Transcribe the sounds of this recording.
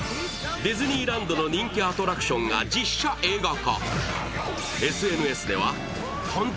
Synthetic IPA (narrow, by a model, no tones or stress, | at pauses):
d̪ezɨɲ̟iːɾãnd̪o̞no̞ɲ̟ĩŋkʲiat̪o̞ɾakɯ̟̥ɕõ̞ŋɡa̰d͡ʑiɕːaʔe̞ːɡaka̰ | e̞sɨe̞nɯ̟e̞sɨd̪e̞βa̰ | kʰãnt̪